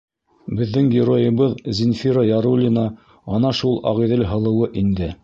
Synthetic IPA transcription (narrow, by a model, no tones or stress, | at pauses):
bɘ̆ðːɘŋɡʲɪɾojɤ̆βɤðzʲɪnfʲiɾəjɑɾulʲɪnə | ɑnɑʃulˠɑ̰ʁiðɘlɦɤ̆lˠɤ̆wɤʔind̪ɘ